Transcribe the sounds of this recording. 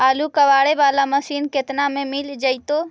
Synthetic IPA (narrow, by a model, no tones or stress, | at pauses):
aːlukəʋaːɽeʋaːlaməsiːnket̪namẽmild͡ʒəɪt̪o